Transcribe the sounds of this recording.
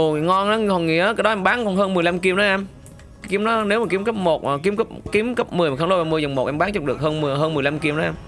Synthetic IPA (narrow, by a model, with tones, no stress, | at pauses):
o˨˩ŋɔ˧nʔa˨˦ɔ˨˩ŋḭ˧˥əkaː˨˦jɗɔ˨˦ɛ˧mɓaː˨˦nkɔ˧˩nɦəː˧nmɨ˨˩əjla˧mki˧əmnɗɔ˨˦ʔɛ˧m | kːki˧˦əmnɔ˨˦ne˨˦wmaː˨˩ki˨˦əmkə˦˥p̚mo˨˩t̚ːki˨˦əmkə˦˥p̚ki˨˦əmkə˦˥p̚mɨ˨˩jxla˨˧˩mɨ˧əzə˨˩wŋ͡mmo˨˩t̚ʔɛ˧mɓaː˨˦ŋt͡ɕɔ˧˩ɗɨ˨˩ək̚həː˧nmɨ˨˩ɦəː˧nmɨ˨˩əjla˧mki˧ə˧mɗɔ˨˦ʔɛ˧m